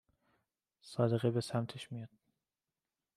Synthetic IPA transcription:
sɒːd̪e̞ɣebe̞sæmt̪ʰeʃmijɒd̪̥̚

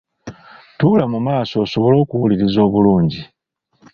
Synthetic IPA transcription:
tuːlamumaːso̞ːso̞βo̞lo̞ːkuwuliɾizo̞ːβuluːɲɟi

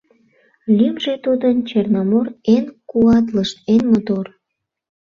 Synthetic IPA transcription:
lʲymʒet̪ud̪ənt͡ɕernɑmoɾenkuɑt̪ləʃt̪enmot̪or

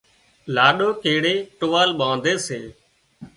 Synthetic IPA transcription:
laːɗoːkeːɽeːʈʊʋaːlɓãːnd̪eːseː

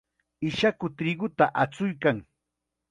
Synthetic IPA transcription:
ɪʃakʊt̪ɾɪɡʊt̪aʔat͡sʊjkaŋ

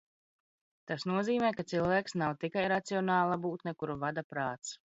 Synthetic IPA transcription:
t̪asnuɔziːmɛːkat̪silˠvæːksnawt̪ikajɾat̪siɔnɑːlˠabuːt̪nɛkuɾuvad̪apɾaːt̪s

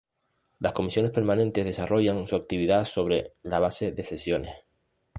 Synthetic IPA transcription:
lahko̞misjo̞ne̞spe̞ɾmãnẽ̞nt̪e̞zðe̞saro̞ʝaŋsuak̚t̪iβiðaso̞β̞ɾe̞laβ̞ase̞ðe̞se̞sjo̞ne̞̰s

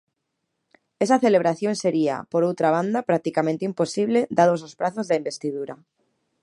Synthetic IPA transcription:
esaθeleβ̞ɾaθjonseɾia̰poɾowt̪ɾaβ̞and̪apɾak̚t̪ikamẽnt̪eimposiβled̪aðos̬ospɾaθozðaimbest̪iðuɾa

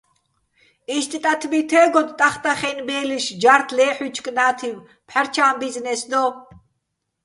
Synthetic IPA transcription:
iʃt̪ʼit̪ʼat̪ʰbit̪ʰɛːɡɔd̪t̪ʼaχt̪ʼaχɛnbɛːliʃd͡ʒaɾt̪ʰlɛːħut͡ʃʰkʼnaːt̪ʰiw | pʰħaɾt͡ʃʰaːmbiznɛsd̪ɔ

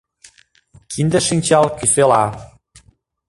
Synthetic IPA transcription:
kʰind̪ə̆ʃinʲt͡ɕɑlkyselɑ

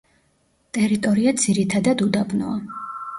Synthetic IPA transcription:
t̪ʼɛɾit̪ʼɔɾiad̪ziɾit̪ʰad̪ad̪ud̪abnɔ̰a

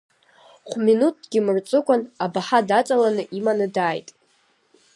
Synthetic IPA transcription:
χʷminut̚ɡʲɪmɨrt͡sʷʼɨkʷʼanabaħadat͡sʼalanɨʔimanɨdaːjtʼ

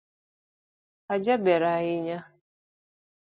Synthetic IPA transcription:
ad͡ʒabeɾaɣɪɲa

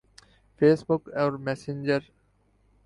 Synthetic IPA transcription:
feːsbʊkɔɾmɛsɪ̃nd͡ʒəɾ

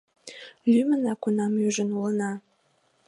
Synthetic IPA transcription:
lymənɑkunɑmyʒə̆nulənɑ

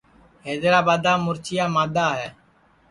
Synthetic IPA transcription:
ɦeːd̪ɾaːbaːd̪aːmʊɾt͡ʃʰɪjaːmaːd̪aːɦɛː

